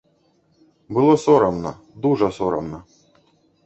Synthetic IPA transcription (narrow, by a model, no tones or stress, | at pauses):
bɨlˠɔsɔɾɐmnɐ̰ | d̪uʐɐsɔɾɐ̰mnɐ